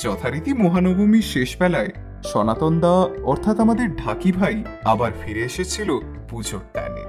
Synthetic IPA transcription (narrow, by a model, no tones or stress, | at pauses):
d͡ʑɔt̪ʰaɾit̪imoɦanobomiɾʃeʃbɛlae | ʃɔnat̪ɔnd̪aɔɾt̪ʰat̪amad̪eɾɖʱakibʱaj | abaɾfiɾeeʃet͡ɕʰilo | pud͡ʑʱok̚ʈa̰nḛ